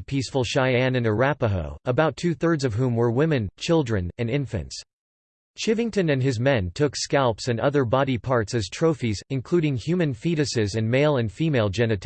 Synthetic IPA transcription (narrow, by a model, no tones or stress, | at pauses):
pʰisfl̩ˠʃaɪæ̃nɨ̃nə˞æpəɦo̰ʊəbaʊtʰʉθɜ˞dzʌv̥ɦũmwə˞wɪ̃mɨ̃nt͡ʃʰɪlˠdɹɨ̃nɨ̃nɪ̃ɱfɨ̰̃nts | t͡ʃʰɪvɪ̃ŋtɨ̃nɨ̃nɨzmɛ̃ntʰʊkskælˠpsɨ̃nʌðə˞bɑɾipʰɑɹtsɨz̥tʰɹ̥oʊfizɨ̃nkʰl̥ʉɾɪ̃ŋhjʉmɨ̃nfiɾɨsɪzɨ̃nmeɪlˠɨ̃nfimeɪlˠd͡ʒɛnɨt